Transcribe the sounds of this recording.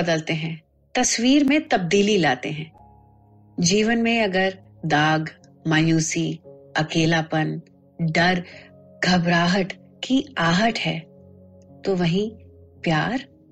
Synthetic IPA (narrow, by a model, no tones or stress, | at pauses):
ɐd̪əlt̪eɦɛ̃ː | t̪ɐsʋiːɾmẽt̪ɐb̚d̪iːlilaːt̪eɦɛ̃ː | d͡ʒiːʋənmẽɐɡəɾ | d̪aːɡ | maːjuːsiɐkeːlapən | ɖɐɾ | ɡʱɐbɾaːɦəʈ | kiaːɦəʈhɛː | t̪oʋɐɦĩpjaːɾ